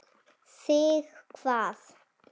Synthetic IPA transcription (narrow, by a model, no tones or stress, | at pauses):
siːɣkʰv̥aːð